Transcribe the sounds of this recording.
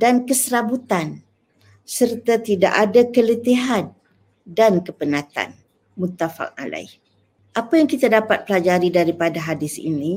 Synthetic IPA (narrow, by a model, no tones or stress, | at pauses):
dankəsəɾabut̪an | sərt̪at̪ida̰ʔadakələt̪iɦan | dankəpənãt̪a̰n | mut̪ːafa̰k̚a̰la̰ɪh | ʔapajaŋkit̪adapat̪̚pəlad͡ʒaɾidaɾipadaɦadɪsḭni